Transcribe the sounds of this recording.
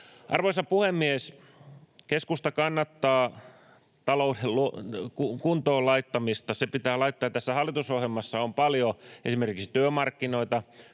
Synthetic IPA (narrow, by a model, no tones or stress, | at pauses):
ʔɑrʋoisɑpuhemːies | keskust̪ɑkɑnːɑt̪ːɑː | t̪ɑloudellukukunt̪oːlɑit̪ːɑmist̪ɑsepit̪æːlɑit̪ːɑːjt̪æsːæhɑlːit̪usohjelmɑsːɑompɑljoesimerkiksi̥t̪yømɑrkːinoit̪ɑ